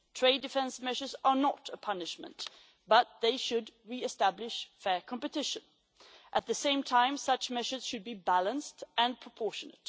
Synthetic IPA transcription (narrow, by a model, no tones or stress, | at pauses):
tʰɹ̥eɪdɨfɛ̃nsmɛʒə˞zə˞nəɾəpʰʌnɨʃmə̰̃nʔ | b̥ʌt̪̚ðeɪʃɨdɹiɨstæblɪʃfɛɹkʰɑ̃mpɨtɪʃɨ̃n | ʔɨt̪̚ðɨsẽɪ̃mtʰãɪ̃msʌt͡ʃmɛʒə˞z̥ʃɨd̚bibælˠə̃nstɨ̃npʰɹ̥əpʰɔɹʃɨnɨ̰t̚